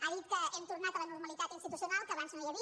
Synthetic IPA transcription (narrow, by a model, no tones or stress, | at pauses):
aðit̪̚kəɛmt̪uɾnat̪ələnuɾməlit̪at̪inst̪it̪usjunalˠkəβanzməʒoɾi